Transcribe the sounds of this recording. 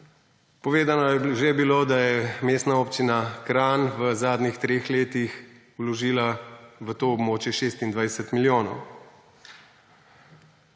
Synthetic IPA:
pɔʋeːd̪anɔjɛʒebiloːd̪ajɛmeːst̪naoːpt͡ʃinakɾaːnʋəzaːd̪nʲixt̪ɾeːxleːt̪ix | ulɔʒiːlaʋət̪oːbmoːt͡ʃjɛʃeːst̪ind̪ʋajɛsɛt̪miljoːnɔw

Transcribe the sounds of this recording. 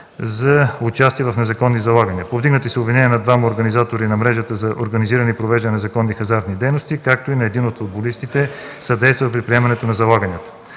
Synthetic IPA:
zɐʊt͡ʃast̪iɛvɐfnɛzɐkɔnːizɐlˠaɡəniəpovd̪iɡnət̪isɛʊbvinɛniənɐd̪vamɐoɾɡənizat̪oɾinɐmɾɛʒət̪əzɐʔoɾɡɐniziɾənipɾovɛʒd̪ənɛzɐkɔnːixɐzaɾt̪nid̪ɛjnost̪ikak̚t̪oinɐɛd̪inot̪fʊd̪̚bolist̪it̪ɛsɐd̪ɛjst̪vəpɾipɾiɛmɐnɛt̪onɐzɐlˠaɡənʲjət̪ə̥

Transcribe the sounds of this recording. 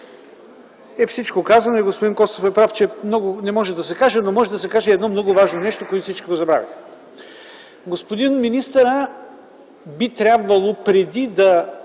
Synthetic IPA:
ɛfsit͡ʃkokazɐnoiɡospod̪inkɔst̪ofɛpɾaft͡ʃɛmnɔɡʊnɛmɔʒɛd̪ɐsɛkaʒɛnomɔʒɛd̪ɐsɛkaʒɛːd̪nɔmnɔɡʊvaʒnonɛʃt̪okoɛt̪sit͡ʃkiɡozɐbɾa̰vʲḭx | ɡospod̪inminist̪əɾə | bit̪ɾʲabvɐlˠopɾɛd̪id̪ɐ

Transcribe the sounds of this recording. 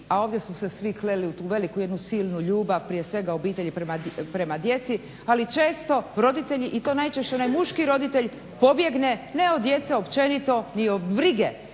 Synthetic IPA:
ao̞ːʋd̪jesuse̞sʋikleliut̪uːʋe̞likuje̞d̪nusiːlˠnuʎuːbaʋpɾije̞sʋe̞ɡao̞biːt̪e̞ʎipɾemapɾe̞mad̪je̞t̪si | alit͡ʃe̞ːst̪o̞ɾo̞d̪it̪e̞ʎiʔit̪o̞ːnajt͡ʃeʃt͡ɕenajmuʃkiɾo̞d̪it̪e̞ʎ | po̞bje̞ɡnene̞od̪je̞t̪seo̞pt͡ʃe̞nit̪o̞niobɾiɡe

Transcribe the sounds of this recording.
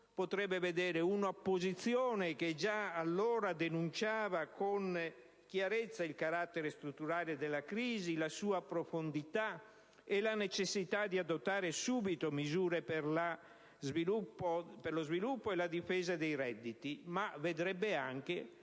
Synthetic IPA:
pot̪ɾɛbːeved̪ɛːɾeunopːozit̪sːjɔːneked͡ʒaːlːɔːɾad̪enunt͡ʃaːvakon | k̟jaɾɛt̪sːailkaɾat̪ːeɾest̪ɾut̪ːuɾaːled̪elːakɾiːzilasuːapɾofond̪it̪a | elanet͡ʃesːit̪ad̪iad̪ot̪ːaːɾesuːbit̪omizuːɾepeɾla | zvilupːoperlozvilupːoelad̪ifɛːzad̪ejɾɛd̪ːit̪imaved̪ɾɛbːeaŋk̟e

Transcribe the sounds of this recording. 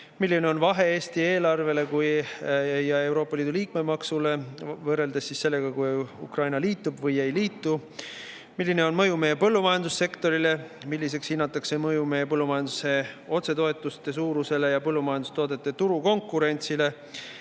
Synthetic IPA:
milːine̞o̞nvɑɦe̞eːst̪ie̞ːlɑrve̞le̞kuj | jɑe̞wɾo̞ːpːˑɑliːd̪uliːk̚me̞mɑksule̞vɤre̞ld̪esːisːe̞lːe̞ɡ̥ɑkujṵkrɑjnɑliːt̪ːˑubvɤje̞jliːt̪ːˑu | milʲːine̞o̞nmɤjume̞ːepɤlːumɑjɑnd̪usːe̞kt̪o̞ɾile̞ | milːis̬e̞kshinːɑt̪ːˑɑkse̞mɤjumeːepɤlːumɑjɑnd̪use̞o̞t̪se̞t̪o̞e̞t̪ːˑust̪e̞s̬uːɾuse̞lejɑpɤlːumɑjɑnd̪ust̪o̞ːd̪et̪ːˑet̪uɾuko̞ŋkːˑuɾe̞nʲt̪sile̞

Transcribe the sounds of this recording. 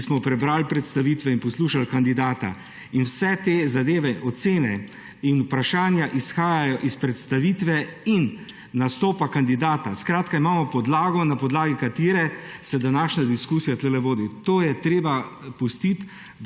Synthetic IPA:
smɔpɾɛbɾaːlpɾɛt̪st̪aʋiːt̪ʋɛinpɔsluːʃalkand̪id̪aːt̪a̰ | inwsɛt̪ezad̪eːʋɛʔɔt̪seːnɛ | inʊpɾaʃaːnjaʔisxaːjajɔʔispɾɛt̪st̪aʋit̪ʋɛinː | ast̪oːpakand̪id̪aːt̪askɾaːt̪kaimaːmɔpɔd̪laːɡɔnapɔd̪laːɡikat̪iːɾɛsɛd̪anaːʃnad̪iskuːsijat̪lɛlɛʋoːd̪it̪oːjɛt̪ɾeːbapust̪it̪

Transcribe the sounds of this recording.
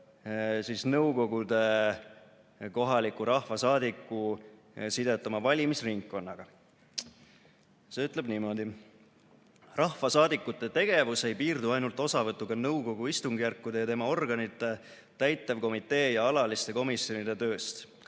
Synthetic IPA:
siːsnɤwko̞ɡud̪e̞ | ko̞ɦɑlikuɾɑhvɑsɑːd̪ikːˑu | sid̪e̞t̪ːˑɑmɑvɑlʲimisriŋkːo̞nːɑɡ̥ɑ | se̞yt̪ˑlebnimo̞d̪i | rɑhvɑsɑːd̪ikːˑut̪ːˑe̞t̪e̞ɡ̥e̞vuse̞jpiːrd̪uɑjnult̪ːˑo̞sɑvɤt̪ˑːukɑnɤwko̞ɡ̥uist̪uŋɡ̥ijærkːud̪e̞jɑt̪e̞mɑo̞rɡ̥ɑnit̪ːˑe̞ | t̪æjt̪ːˑɑvko̞mit̪ːˑe̞ːjɑɑlɑlist̪e̞ko̞misjo̞nid̪e̞t̪ø̞ːst̪

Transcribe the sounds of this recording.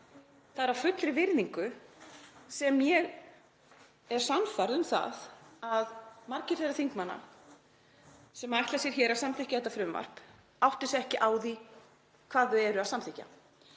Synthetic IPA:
θaðɛɾavfʏt̪lɪvɪɾðiŋkʏ | sɛmːjɛɣ | ɛɾ̥sanfaɾðʏmθa̰ðaðmaɾcɪɾ̥θɛrːaθiŋkmanːa̰ | sɛmaajht̪lasjɛɾ̥çɛːɾaðsamθɪhcɪaθɛht̪ːafɾʏmva̰r̥p | awht̪ɪsɛhcɪʔaːwði | kʰv̥aːðʏɛɾʏaðsamθɪhcːa̰

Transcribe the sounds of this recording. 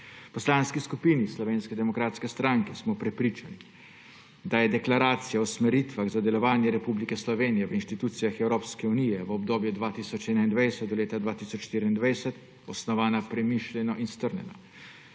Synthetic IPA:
pɔslaːnskiskupiːnislɔʋeːnskɛd̪ɛmɔkɾaːt̪skɛst̪ɾaŋkɛsmɔpɾɛpɾiːt͡ʃani | d̪ajɛd̪ɛklaɾaːt̪sijaɔsmɛɾit̪ʋaɣzad̪ɛlɔʋaːnjɛɾɛpublikɛslɔʋeːnijɛʋəinʃt̪it̪uːt̪sijaxɛwɾoːpskɛunijɛʋəɔbd̪oːbjud̪ʋaːt̪isɔt͡ʃɛːnaind̪ʋajsɛt̪d̪ɔleːt̪ad̪ʋaːt̪isɔt͡ʃʃt̪iɾiind̪ʋajsɛt̪ | ɔsnɔʋaːnapɾɛmiʃlʲɛnɔʔinst̪əɾnʲɛ̰nɔ̰

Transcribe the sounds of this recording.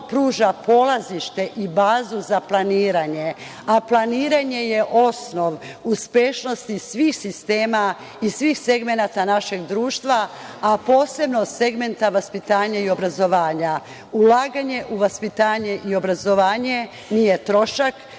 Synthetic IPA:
pɾuːʒapo̞lˠaziʃt̪e̞ʔibaːzuzaplˠaniːɾaɲe̞ | aplaniːɾaɲe̞je̞ʔo̞sno̞ʋ | uspeʃno̞st̪isʋiːxsist̪e̞ːma | isʋiːxse̞ɡme̞nat̪anaʃe̞ɡd̪ɾuːʃt̪ʋaapo̞ːse̞bnose̞ɡme̞nt̪aʋaspit̪aːɲaio̞bɾazo̞ʋaːɲa | ulaːɡaɲe̞ʔuʋaspit̪aːɲeʔio̞bɾazo̞ʋaːɲe̞ | nijet̪ɾo̞ʃak

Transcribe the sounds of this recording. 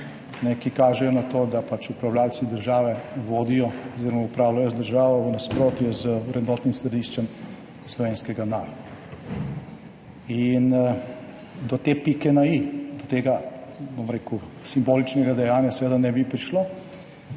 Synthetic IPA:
nɛkikaːʒɛjɔnat̪oːd̪apat͡ʃupɾawljalsid̪əɾʒaːʋɛʋoːd̪ijɔɔziːɾɔmaupɾaːwlajɔzd̪əɾʒaːʋɔʋənaspɾoːt̪jɛzəwɾɛd̪nɔːt̪nimsɾɛd̪iʃt͡ʃɛm | slɔʋeːnskɛɡanaːɾɔd̪a | in | d̪ɔt̪eːpikɛnaid̪ɔt̪eːɡabomɾeːku | simboːlit͡ʃnɛɡad̪ɛjaːnjasʋeːd̪anɛbipɾiʃlo

